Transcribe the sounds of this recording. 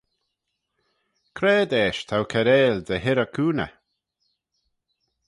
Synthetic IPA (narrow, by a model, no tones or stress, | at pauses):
kʰɾɛːd̪ɛːʃt̪ʰawkʰɛɾeːld̪əɦɪɾəkʰuːnə̰